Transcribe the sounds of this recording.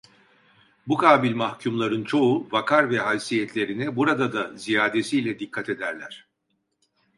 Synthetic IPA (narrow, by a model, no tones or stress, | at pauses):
bukʰaːbilʲmahcʰumlˠaɾɯnt͡ʃʰo̞uvakʰaɾvɛɦalʲsijɛt̪ʰlʲe̞ɾinɛbuɾad̪ad̪azijaːd̪e̞siːlʲɛd̪ikʰːat̪ʰe̞d̪æɾlʲæɾ̝̥